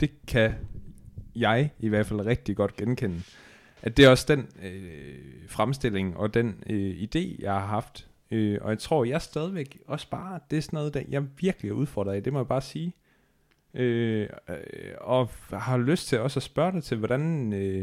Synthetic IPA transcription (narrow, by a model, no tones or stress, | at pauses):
d̥e̝kʰæ | jɑ̈ɪiʋæɐ̰d̥fæl̰ʁɛɡ̥̚d̥iɡ̥ɒ̽d̥ɡ̥enkʰen̰ə | ʔæd̥e̝æɐɒ̽sd̥enø | fʁamsd̥e̝l̰e̝ŋʔɒ̽d̥enøid̥e̝̰ːjɑ̈ɪhɑ̈ɦɑ̈fd̥ | øɒ̽jɑ̈ɪt͡sʰʁo̝ɐ̰jɑ̈ɪsd̥ɛð̞ˠiʋeɡ̥ɒ̽sb̥ɑ̈ːd̥e̝æɐsɔnɔ̽ːðˠd̥æjɑ̈ɪʋiɐɡ̥liæuð̞ˠfɒ̰ːd̥ʁɐid̥e̝mɒ̽jɑb̥ɑ̈ːsiː | ʔø | ɒ̽hɑ̈løsd̥t͡sʰe̝lɒ̽sæsb̥ɶɐɾ̥ɑɪt͡sʰe̝lʋɒɾ̥ænenø